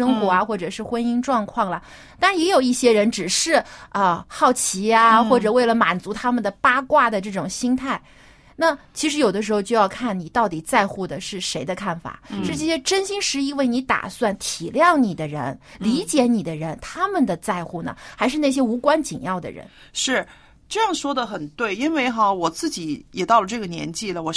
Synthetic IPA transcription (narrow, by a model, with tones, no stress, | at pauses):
ɤ˥ŋxwɔ˧˥a˧xwɔ˥˩ʈ͡ʂɤ˨˩ʂɻ̩˥˧xwə˥ni˥ŋʈ͡ʂwɑ˥˧ŋkʰwɑ˥˩ŋlə˩ | t̪a˥˩˧jɛ˧˥jo˨˩ʊi˥˩ɕjɛ˥ɻə˧˥nʈ͡ʂɻ̩˨˩ʂɻ̩˥˧ə˧xɑ˥˩ʊt͡ɕʰi˧˥a˧xwɔ˥˩ʈ͡ʂɤ˨˩we˥˩ɪlə˩ma˨˩nt͡su˧˥t̪ʰa˥mə˨nd̪ə˩pa˥kwa˥˩d̪ə˨ʈ͡ʂɤ˥˩ʈ͡ʂʊ˨˩ŋɕi˥ŋt̪ʰa˥˩ɪ | na˥˩t͡ɕʰi˧˥ʂ̬ɻ̩˧˥jo˨˩ʊd̪ə˦ʂ̬ɻ̩˧˥xo˧ʊt͡ɕjo˥˧ʊjɑ˥˧ʊkʰa˥˩nni˨˩t̪ɑ˥˩ʊt̪i˨˩t͡sa˥˧ɪxu˥˩d̪ə˩ʂɻ̩˥˩ʂe˧˥ɪd̪ə˧kʰa˥˩nfa̰˨˩ʂɻ̩˥˧ʈ͡ʂɤ˥˩ɕjɛ˥ʈ͡ʂə˥nɕi˥ŋʂɻ̩˧˥i˥˧we˥˩ɪni˧˥t̪a̰˨˩swa˥˩nt̪ʰi˨˩ljɑ˥˩ŋni˨˩d̪ə˦ɻə̰˧˥nli˧˥t͡ɕjɛ˧˥ni˨˩d̪ə˦ɻə˧˥nt̪ʰa˥mə˨nd̪ə˩t͡sa˥˧ɪxu˥˩nə̰˩xa˧˥ɪʂ̬ɻ̩˥˧na˥˩ɕ̬jɛ˥u˧˥kwa˥nt͡ɕi˨˩njɑ˥˩ʊd̪ə̰˩ɻə̰˧˥nʂɻ̩˥˩ | ʈ͡ʂɤ˥˧jɑ˥˩ŋʂwɔ˥d̪ə˨xə˨˩nt̪we˥˩ɪi˥nwe˥˧ɪxɑ˥˧wɔ˨˩t͡sɹ̩˥˩t͡ɕi˧˥jɛ˨˩t̪ɑ˥˩ʊlə˩ʈ͡ʂɤ˥˩ɡə˩njɛ̰˧˥nt͡ɕi˥˩lə˩wɔ˨˩